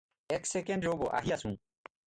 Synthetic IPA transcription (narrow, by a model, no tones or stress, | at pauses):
eksekeɳɖɾobo̰ʔa̰ɦiɐsũː